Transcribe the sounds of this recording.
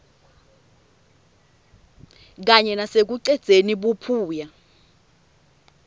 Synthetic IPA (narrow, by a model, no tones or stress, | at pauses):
k̬aɲɛnasek̬uǀɛd̥z̥ʱeniɓupʰuːja